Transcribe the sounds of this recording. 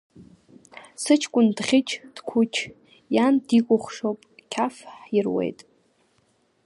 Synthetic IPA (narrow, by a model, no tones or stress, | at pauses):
sɨt͡ʃʰkʷʼʊndχʲɪt͡ʃʰʼd̥kʷʰut͡ʃʰ | jandikʷʼʊχʷʂowpʼkʲʰafħirwḛjtʼ